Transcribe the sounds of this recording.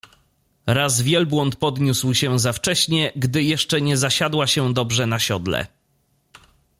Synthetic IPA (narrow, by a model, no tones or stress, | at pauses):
ɾazvʲjɛlbwɔnt̪pɔd̪ɲuswɕɛzaft͡ʂɛɕɲɛɡd̪ɘjɛʂt͡ʂɛɲɛzaɕad̪waɕɛd̪ɔbʐɛnaɕɔd̪lɛ̰